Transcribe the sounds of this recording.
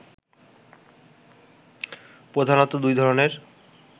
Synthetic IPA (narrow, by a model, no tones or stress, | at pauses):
pɾod̪ʱanot̪ːod̪ujd̪ʱɔɾoneɾ